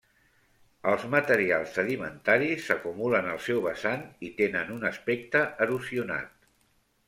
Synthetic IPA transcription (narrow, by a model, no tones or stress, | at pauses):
əlˠzmət̪əɾialˠzəlimə̰nt̪aɾisːəkumulənəlˠsɛwβəsanit̪enənunəspek̚t̪əʔəɾusiuna̰t̪